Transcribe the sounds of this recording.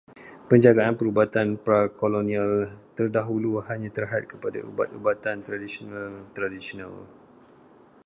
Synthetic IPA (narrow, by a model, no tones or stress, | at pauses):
pəɲd͡ʒaɡaanpəɾubat̪anpɾakolonĩalt̪ərdaɦuluhaɲãt̪ərɦat̪̚kəpada̰ṵba̰t̪̚ubat̪ant̪ɾadisionalt̪ɾadisiona̰l